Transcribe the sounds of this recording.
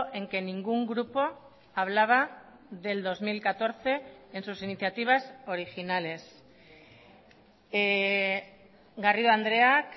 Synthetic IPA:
ʔe̞ŋke̞niŋɡuŋɡɾupo̞ | aβ̞laβ̞a | ðe̞ld̪o̞zmilkat̪o̞ɾθe̞ːnsusiniθjat̪iβ̞aso̞ɾixinale̞s | ɣariðoand̪ɾe̞ak

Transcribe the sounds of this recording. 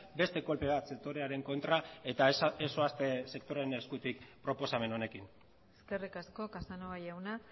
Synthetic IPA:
be̞st̪e̞ko̞lpe̞βat̪sek̚t̪o̞ɾe̞aɾe̞ŋko̞nt̪ɾaet̪aesoast̪e̞se̞kt̪oɾe̞ne̞skut̪ikpɾo̞po̞same̞no̞ne̞kin | eske̞rikasko̞kasanoβajawna

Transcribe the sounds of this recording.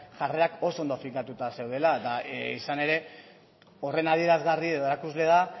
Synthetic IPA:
ʝare̞ako̞so̞nd̪ofiŋkat̪ut̪ase̞wð̞e̞lad̪aisane̞ɾe̞ | o̞re̞nað̞ie̞ɾazɣarieð̞oe̞ɾakuzle̞ða

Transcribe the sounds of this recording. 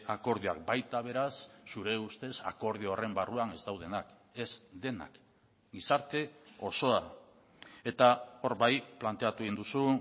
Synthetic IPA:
ako̞ɾðioakbajt̪aβ̞e̞ɾasːuɾe̞ust̪e̞sa̰ko̞ɾð̞ioore̞mbaruane̞zt̪awð̞e̞nak | e̞zd̪e̞na̰k | ɡisaɾt̪e̞o̞so̞a | e̞t̪ao̞ɾβajplant̪e̞at̪uɣind̪usu

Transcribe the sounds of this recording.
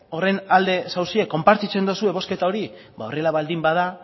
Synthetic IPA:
o̞re̞nald̪esawsie̞kːo̞mpaɾt͡s̪it͡se̞nd̪osue̞βo̞ske̞t̪ao̞ɾi | bao̞̰re̞laβald̪imbaða

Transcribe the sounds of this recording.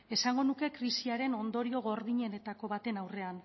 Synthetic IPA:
e̞saŋɡo̞nuke̞kɾisiaɾe̞no̞nd̪o̞ɾio̞ɣ̞o̞ɾðiɲe̞ne̞t̪ako̞βat̪e̞nawre̞an

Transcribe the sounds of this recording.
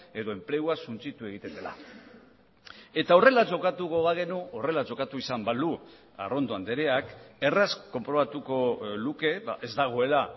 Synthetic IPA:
e̞ðo̞e̞mple̞uasunt͡sit̪ue̞ɣ̞it̪e̞nd̪e̞la̰ | e̞t̪ao̞re̞lad͡ʒo̞kat̪uɣoβaɣ̞e̞nuo̞re̞lad͡ʒo̞kat̪uisambald̪u | a̰ro̞nd̪oand̪e̞ɾeake̞rasko̞mpɾo̞βat̪uko̞luke̞βa̰ʔe̞zd̪aɣ̞o̞e̞la

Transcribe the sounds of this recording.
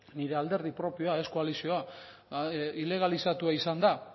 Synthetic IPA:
niɾe̞ald̪e̞ɾð̞ipɾo̞pio̞ae̞skoalisio̞a | ile̞ɣ̞alisat̪uaisand̪a

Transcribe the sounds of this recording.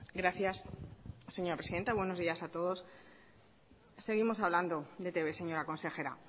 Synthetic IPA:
ɡɾaθjasː | e̞ɲo̞ɾapɾesiðe̞nt̪aβwe̞no̞zðiasat̪o̞ðo̞s | se̞ɣ̞imo̞saβland̪o̞d̪e̞t̪e̞βe̞se̞ɲo̞ɾako̞nse̞xe̞ɾa̰

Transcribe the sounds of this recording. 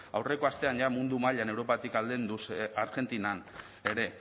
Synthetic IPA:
a̰wre̞ko̞ast̪e̞anʝamund̪umaʎane̞wɾo̞pat̪ikald̪end̪usaɾɣe̞nt̪inan | e̞ɾe̞

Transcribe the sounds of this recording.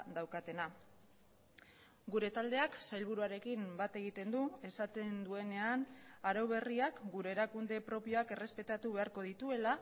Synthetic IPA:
d̪awkat̪e̞na | ɡuɾe̞t̪ald̪e̞aksajlβ̞uɾuaɾe̞kimbat̪e̞ɣ̞it̪e̞nd̪ue̞sat̪e̞nd̪ue̞ne̞anaɾawβ̞e̞riakɡuɾe̞ːɾakund̪e̞pɾo̞pio̞ake̞re̞spe̞t̪at̪uβe̞aɾko̞ðit̪ue̞la

